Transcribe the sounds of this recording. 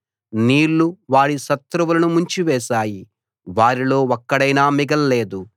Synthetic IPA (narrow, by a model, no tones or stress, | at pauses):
niːɾːuʋaːɽiʃɐt̪ɾuʋulɐnumuɲt͡ʃiʋɛːʃaːji | ʋaːɾilo̞ːɔkːɐɽɐjnaːmiɡɐlːeːd̪u